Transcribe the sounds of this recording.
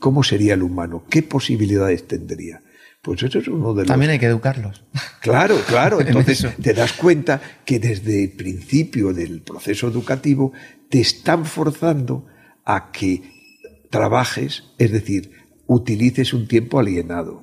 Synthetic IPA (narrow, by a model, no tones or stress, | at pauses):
ko̞mo̞se̞ɾiaelumanoke̞po̞siβiliðaðe̞st̪e̞nd̪ɾḭa | pwe̞se̞soesunoðelamjenajkeðukaɾlosklaɾoklaɾoent̪oθest̪e̞ðaskwe̞nt̪ake̞ðe̞zðepɾinθipjoðe̞lpɾo̞θe̞soe̞ðukat̪iβot̪e̞ːst̪aɱfo̞ɾθand̪o | akʰe | t̪ɾaβaxe̞se̞zðe̞θiɾ | ut̪iliθe̞sunt̪je̞mpoalje̞naðo̰